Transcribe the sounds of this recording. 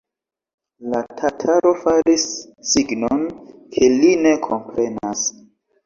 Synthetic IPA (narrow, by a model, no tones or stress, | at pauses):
latʰatʰaɾo̞faɾisː | iɡnonkʰe̞line̞kʰo̞mpɾe̞nas